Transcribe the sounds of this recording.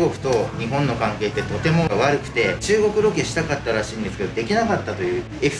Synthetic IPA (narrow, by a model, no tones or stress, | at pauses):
ɡo̞kɯ̟̥t̪o̞ɲ̟iɦõ̞nːo̞kãŋke̞ːt̪ːe̞t̪o̞t̪e̞mo̞βaɾɯ̟kɯ̟̥t̪e̞t͡ɕɨːɡo̞kɯ̟ɾo̞keɕi̥t̪akat̪ːaɾaɕĩːnd̪e̞sɨ̥ke̞d̪od̪e̞kʲinakat̪ːat̪o̞jɯ̟ː | ek